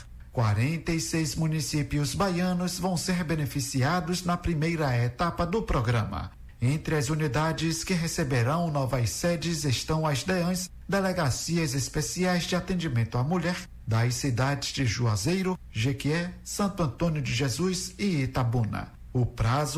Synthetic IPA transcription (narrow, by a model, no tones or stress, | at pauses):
kwaɾẽnt̪eisejzmũnisipjʊzbajɐ̃nʊzvɐ̃w̃seɾbenefisiad̪ʊznɐpɾimejɾɐet̪apɐd̪ʊpɾoɡɾɐ̃mɐ̰ | ẽnt̪ɾɪɐzunid̪ad͡ʒɪskɪɦesebeɾɐ̃w̃nɔvɐjsɛd͡ʒɪzeʃt̪ɐ̃w̃ɐszd̪eɐ̃j̃s | d̪eleɡasiɐzespesiajzd͡ʒɪat̪ẽd͡ʒimẽnt̪ʊamuʎɛɾ | d̪ɐjsid̪ad͡ʒɪzd͡ʒɪʒuazejɾʊ | ʒekiɛsɐ̃nt̪ʊɐ̃nt̪õnjʊd͡ʒɪʒezujzɪet̪abũnɐ̰ | ʊpɾazʊ